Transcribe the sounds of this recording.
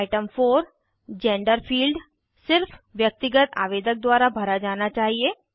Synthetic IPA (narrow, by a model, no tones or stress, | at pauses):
aɪʈəmfoːɾ | d͡ʒɛ̃ːɳɖəɾpʰiːlɖ | sɪɾfʋjək̚t̪ɪɡət̪a̰ːʋeːd̪ək̚d̪waːɾabʱɐɾad͡ʒaːnat͡ʃaːɦieː